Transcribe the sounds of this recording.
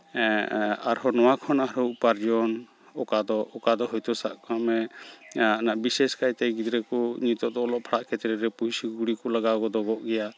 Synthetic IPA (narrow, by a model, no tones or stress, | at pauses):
aɾɦɔnɔwakʰɔnaɦɾɔwʔpaɾd͡ʒɔn | ɔkad̪ɔʔɔkad̪ɔɦɔjt̪ɔsa̰ʔkʰamɛ | anaʔbisɛskajt̪ɛjɡid̪ɾɛkɔɲit̪ɔʔd̪ɔlɔʔpʰaɽaʔkɛt̪ɾɛɾɛpuisiɡuɽikɔlaɡaɡɔd̪ɔɡɔʔɡɛja